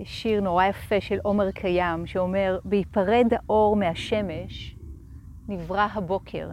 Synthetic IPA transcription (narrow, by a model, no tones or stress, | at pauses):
ʃiʁnoʁajafeʃelʔo̞meʁkʰajamʃeome̞ʁbeipaʁedhaʔo̞ʁmehaʃe̞me̞ʃ | nivʁaɦabo̞kʰe̞̰ʁ